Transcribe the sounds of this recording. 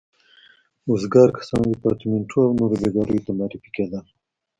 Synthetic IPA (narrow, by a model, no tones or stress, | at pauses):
uzɡɑːɾkḁsɑ̃ːndipɑːɾt̪imeɳʈʰuawnoɾbeɡɑːɾujt̪amaːɾifi̥ked̪an